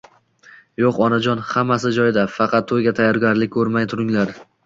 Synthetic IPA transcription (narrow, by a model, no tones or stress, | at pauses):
joqɒnad͡ʒɒnhamːas̬ɪd͡ʒɒjd̪afɑqʰɑt̪ʰːojɡʲat̪ʰajːɒɾɡʲaɾlɪkʲkʰɵɾmajt̪ʰʊɾɪŋlaɾ